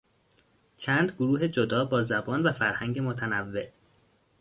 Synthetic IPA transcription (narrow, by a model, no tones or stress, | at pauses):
t͡ʃʰæːnd̪ɡoɾuːɦed͡ʒod̪ɒːbɒːzæbɒːnvæfæɾhæŋɟe̞mot̪ʰænævːe̞ʔ